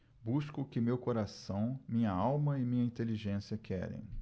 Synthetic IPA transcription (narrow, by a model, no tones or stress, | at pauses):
buskʊkɪmewkoɾasɐ̃w̃mĩɲɐawmɐɪmĩɲɐĩnt̪eliʒẽsiɐkʰɛ̰ɾḛ̃j̃